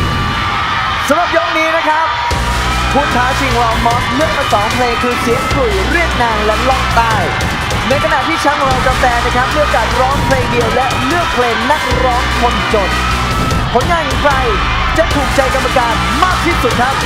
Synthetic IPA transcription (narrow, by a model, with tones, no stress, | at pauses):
sa˨˦mɾa˨˩p̚jɔː˦˥k̚niː˦˥na˦˥kʰa˦˥p̚ | kʰu˧nt̪ʰaː˩˦t͡ɕʰi˧ŋwaː˧mɔː˦˥s̚lɯ˥˩ək̚maː˧˩sɔː˩˦ŋpʰleː˧ŋkʰɯː˧si˨˩˦əŋkʰluː˨˩ɾi˥˩ək̚naː˧ŋlɛ˦˥lɔ˥˩ŋt̪aː˥˩j | na˧jkʰa˧na˨˩t̪ʰiː˥˩t͡ɕʰa˦˥nma˧ŋɾa˧wt͡ɕa˨˧˩mt̪ɛː˧na˦˥kʰa˦˥p̚mɯ˥˩˨ʔa˧kaː˨˩t̪̚ɾɔː˦˥ŋpʰleː˧ŋdi˧əwlɛ˦˥ʔlɯ˥˩ək̚pʰleː˧ŋna˦˥k̚ɾɔː˦˥ŋkʰo˧nt͡ɕo˨˩t̪̚ | pʰo˩˦nŋaː˧nkʰɔ˨˩˦pʰa˧j | t͡ɕa˨˩t̪ʰuː˨˩k̚t͡ɕa˧jka˧mːaː˧kaː˨˩t̪̚maː˥˩k̚t̪ʰiː˥˩su˨˩t̪̚kʰɾa˦˥p̚